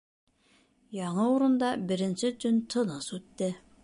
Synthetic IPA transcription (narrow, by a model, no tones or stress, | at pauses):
jɑɴɤuɾɤ̆nd̪ɑbɘ̆ɾɘ̆nsɘt̪ɵnt̪ʰɤ̆nɤsʉt̪ːɘ